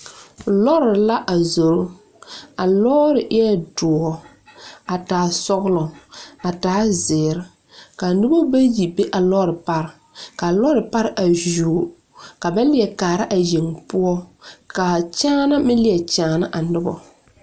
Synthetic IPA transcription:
lɔ˦ɾɪ˨la˦ʔa˨zo˨ɾʊ˦ | a˨lɔː˦ɾɪ˨ʔɪ˦ɛ˦dʊ˨ɔ˨ | a˨taː˨sɔ˦ɣʊ˦lɔ˨a˨taː˨˦zɪ˨ɾɪ˦ | ka˨nʊ˦bɔ˦ba˦ji˨be˦ʔa˨lɔː˦ɾɪ˨pa˦ɾɪ˨ | ka˨lɔ˦ɾɪ˨pa˦ɾɪ˦ʔa˨ʒuː˨ | ka˨ba˦n˦lɪ˦˨ɛ˨kaː˨ɾa˦ʔa˨ji˨ŋpʊ˦ɔ˦ka˨t͡ʃaː˦na˦mɪ˦lɪ˨ɛ˨t͡ʃaː˨na˦ʔa˨nʊ˦bɔ̰˦

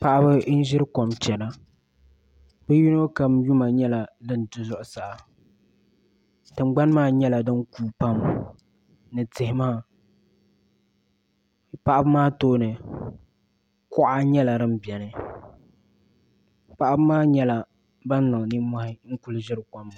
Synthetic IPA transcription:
pa˦ʔa˦bɨ˦n̩˦ʒɪ˦ɾɨ˦ko˨mt͡ʃɛ˨la˨ | bɨ˦ju˦nɨ˦ka˨mju˦ma˨ɲɛ˦la˨dɨ˦n˨dʊ˨zʊ˦ʔʊ˨sa˨ʔa˨ | tɨ˨mɡ͡ba˦n˦maː˦ɲɛ˦la˨dɨ˦ŋkuː˨pa˦m | nɨ˨tɪ˨hɪ˦maː˦ | pa˦ʔa˦bɨ˦maː˦toː˦nɨ˨ | kɔ˦ʔa˦ɲɛ˦la˨ɾɨ˦m̩˦bɛ˨nɨ˨ | pa˦ʔa˦bɨ˦maː˦ɲɛ˦la˨ | ba˦n˦nɨ˨ŋ˨ni˦mɔ˦hɪ˦ŋ̩˦kʊ˦lɨ˦ʒɪ˦ɾɨ˦kɔ˨m˨

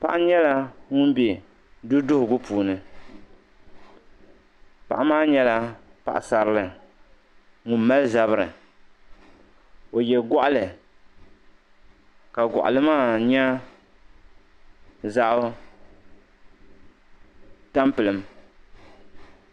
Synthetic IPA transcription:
pa̰˦ʔa˦ɲɛ˦la˦ŋʊ˦nbe˨ | du˦dʊ˦hʊ˨ɡʊ˦pʰuː˨nɨ˨ | pa̰˨ʔa˦maː˦ɲɛ˦la˦pa̰˨ʔa̰˨sa˨ɾɨ˦lɨ˨ | ŋʊ˨˦ma˦lza˨βɨ˦ɾɨ̰˨ | o˨jɛ˨ɡɔ˦ʔa˦lɨ˨ | ka˨ɡʷɔ̰˨ʔa̰˨lɨ˦maː˦ɲɛ˦ | za˦ʔʊ˦ | ta˦mpɨ˨lɨ˨m

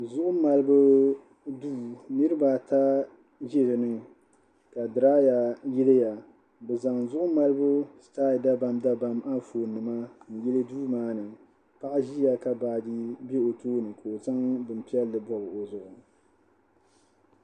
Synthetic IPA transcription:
zʊ˦ʔʊ˦ma˨lɨ˦bɨ˦ | duː˦nɨ˦ɾɨ˦baː˨ta˦ | ʒɛ˦lɨ˨nɨ˦ | ka˨dɨ˨ɾaː˦ja˨ji˦le˦ja˨ | bɛ˨za˨ŋzʊ˦ʔʊ˦ma˦lɨ˦bʊ˦staː˦˨da˦ba˨mda˦ba˨ma˦foː˨nɨ˨ma˦n̩˨jɛ˦lɨ˦duː˦maː˦nɨ˨ | pa˦ʔa˦ʒi˦ja˨ka˨baː˨di˦be˦o˨toː˦nɨ˨ka˨o˨za˦ŋbɨ˨m˨pi˦ɛ˦lːɨ˨bɔ˦ɣɨ˨o˨zʊ˨ʔʊ˨

